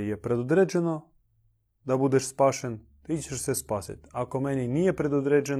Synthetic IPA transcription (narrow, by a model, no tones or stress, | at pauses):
jɛpɾɛd̪od̪ɾɛd͡ʒɛno | d̪abud̪ɛʃspaʃen | t̪it͡ɕɛʃsɛspasḭt̪ʲakomɛninijɛpɾɛd̪ɔd̪ɾɛd͡ʒɛn